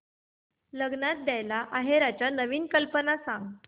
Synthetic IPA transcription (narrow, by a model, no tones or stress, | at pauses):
ləɡnat̪̚d̪jajlaʔaɦeɾat͡ɕjanəʋiːnkəlpənasãŋɡt̪